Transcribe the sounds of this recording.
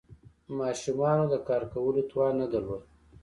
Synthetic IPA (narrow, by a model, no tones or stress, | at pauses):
mɑːʃumɑnod̪əkɑːɾkawəlot̪wɑːnad̪alod̪̚